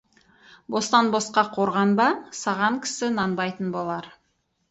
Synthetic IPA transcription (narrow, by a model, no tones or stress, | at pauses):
bo̞st̪ɑnbosqɑqʰo̞ɾʁɑnbɑsɑʁɑŋkʲʰɪ̥sɪnɑnbɑjt̪ənbo̞lˠɑɾ